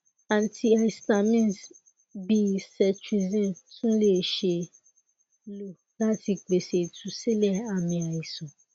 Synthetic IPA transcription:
ã˨ntʰi˦a˨i˨sta˨mĩ˦˨s | bi˦˨sɛ˨t͡ʃi˨zɛ̃˦˨nsũ˦le˦˨ʃe˧ | lo˦˨ | la˦ti˧k͡pe˨se˨tʰu˨si˦lɛ˦˨a˨mĩ˨a˨ji˨sũ˨

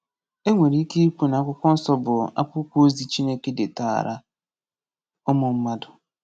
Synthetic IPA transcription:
e˦ŋʷe˨ɾi˦ke˦ku˨na˨a˦kʷʊ˦kʷɔ˦n̩˦sɔ˦bʊ˨a̰˦pʊ˦kʷo˦zi˦t͡ʃi˦ne˦ke˦de˨ta̰˨ɾʔa˦ | ɔ˦mʊ˨m̩˦ma˦dʊ˨

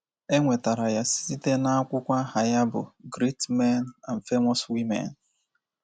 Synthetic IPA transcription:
e˦ŋʷe˨ta˨ɾa˨ja˦si̥˦si˦te˦na˦a˦kʷʊ˦kʷa˦ha˨ja˦bʊ̰˨ɡɾi˦tme˦na˨n̩˨fe˦mɔ˦swi˦mḛ˨n̩˨

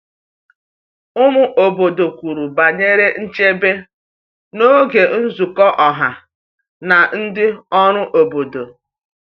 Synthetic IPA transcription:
ʊ˦mʊ˦ʔo˨bo˨do˨kʷu˨ɾu˨ba˨ɲe˦ɾe˦n̩˦t͡ʃe˦be˦ | no˦ɡe˨n̩˦zu˨kɔ˦ʔɔ˨ɦa˨ | na˨n̩˦dɪ˦ɔ˦ɾʊ˦ʔo˨bo˨do˨

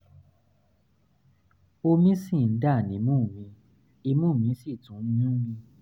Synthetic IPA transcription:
o˧mĩ˦sĩ˦˨n̩˦da˦˨nĩ˨˦mũ˦˨mĩ˧ | i˧mũ˦˨mĩ˧˦si˦˨tũ˨˦ɲũ˦mĩ˧

